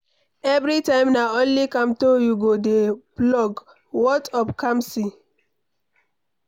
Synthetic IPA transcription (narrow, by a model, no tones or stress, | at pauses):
ɛvɾitãɪ̃mnaõnlikãmtojuɡodeblɔɡ | wɔtɔpkʰãmsi